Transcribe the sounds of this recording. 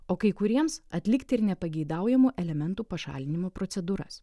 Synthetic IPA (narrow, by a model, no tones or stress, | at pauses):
oːkɐɪkʊɾʲiɛmsɐt̪ʲlʲɪkt̪ʲɪɾnʲɛpɐɡʲɛɪd̪ɐˑʊjɛmuːʔɛlʲɛmʲɛnt̪uːpɐʃɑ̰ːlʲɪnʲɪmoːpɾot̪sʲɛd̪uːɾɐ̰s